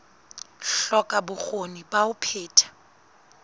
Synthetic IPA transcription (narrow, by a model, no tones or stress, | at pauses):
ɬɔkʼabʊk͡xonibaʊpʰeːtʰḁ